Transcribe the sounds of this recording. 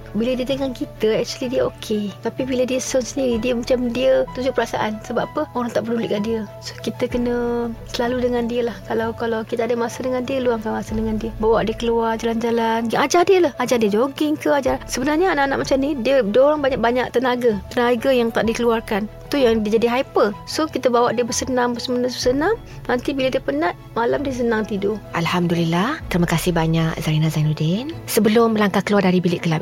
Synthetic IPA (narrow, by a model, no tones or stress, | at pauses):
bilədiət̪əŋankit̪əɛk̚t͡ʃuəlidiəokʰet̪apibilədiəsɔnsəndiɾidiəmat͡ʃamdiət̪ud͡ʒʊʔpəɾasa̰ʔansəbapəoɾaŋt̪aʔbəduliʔkaʔdiəso̥kit̪əkənəsəlaludəŋandiəlahkalawkalawkit̪aadəmasədəŋandiəluaŋkanmasədəŋandiəbawaʔdiəkəluard͡ʒaland͡ʒalanad͡ʒardiəlahad͡ʒardiəd͡ʒoɡɪŋkəad͡ʒasəbənarɲaanaʔanaʔmat͡ʃamnidiədoɾaŋbaɲaʔ̚baɲaʔ̚t̪ənaɡat̪ənaɡajaŋt̪aʔdikəluarkant̪ujaŋdiəd͡ʒadiɦaipəsokit̪abawaʔdiəbərsənãmbəsəmənəsbəsənam | nant̪ibiladiəpənaʔ̪ | malamdiəs̬ənãŋt̪idoʔalhamdulilːaht̪əɾimakasɪhbaɲak̚zaɾinazanudɪnsəbəlʊmbəlaŋkahkəluardaɾibilɪʔkəla